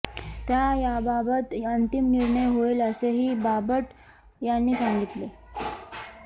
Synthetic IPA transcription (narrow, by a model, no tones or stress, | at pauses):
t̪jajababət̪ənt̪imniɾɳəjɦoeləseɦiːbabəʈ̪ | janːiːsãŋɡʱit̪le